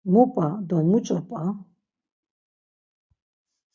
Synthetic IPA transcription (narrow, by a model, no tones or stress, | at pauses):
mupʼad̪ɔmut͡ʃʼɔpʼa